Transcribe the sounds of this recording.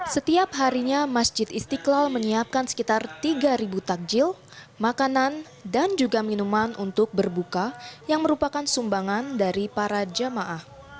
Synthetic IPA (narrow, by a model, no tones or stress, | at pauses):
sət̪iap̚ɦaɾiɲamasd͡ʒɪt̪ist̪iklalməɲiap̚kansə̥kit̪art̪iɡaɾibut̪ak̚d͡ʒɪl | makanan | dand͡ʒuɡaminumanʔunt̪ʊk̚bərbukajaŋməɾupakansumbaŋandaɾipaɾad͡ʒəmaʔah